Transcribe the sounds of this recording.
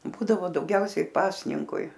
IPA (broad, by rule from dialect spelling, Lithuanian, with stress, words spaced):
ˈbuːdɐʋoː dɐʊˈɡʲɛʊsʲɛɪ ˈpɑːsʲnʲɪŋkʊɪ